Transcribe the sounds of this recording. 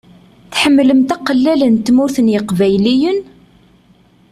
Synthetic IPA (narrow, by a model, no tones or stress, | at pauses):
θħəmːləmt̪æqəlːælənt̪muθənjəqvæjlijən